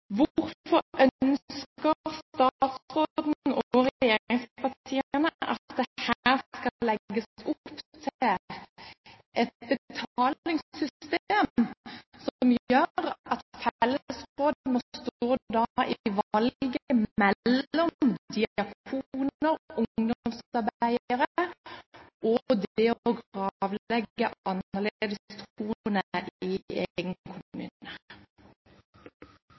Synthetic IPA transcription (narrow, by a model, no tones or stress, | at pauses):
ʋʊɾfɔʔœskkəʁst̪ɑt̪sʁoːdːd̪nn̩ɔɾɛjeːɾɪŋspɑʁt̪ʰiːənəʔɑt̪d̪ɛhæːʁskɑlɛɡːəsʊpt̪ʰl | ʔɛt̪̚bət̪ʰɑːlɪŋsːʏst̪eːmsɔmjøːɾɑt̪fɛlːəsʁoːd̪mɔst̪oːd̪ɑʔɪɪʋɑlɡəəmɛlːɔmd̪iɑkʰunəɾʔʊd̪ɔmsɑɾbæɪəɾə | ʔɔd̪ɛɔɡɑʋlɛɡːəʔɑnəled̪əst̪uːnəʔɪeɡənkʰʊmʉ̰ːnə